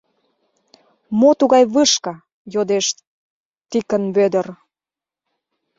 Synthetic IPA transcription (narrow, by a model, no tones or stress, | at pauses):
mot̪uɣɑjβəʃkɑ | jod̪eʃ | t̪ikənβød̪ə̆r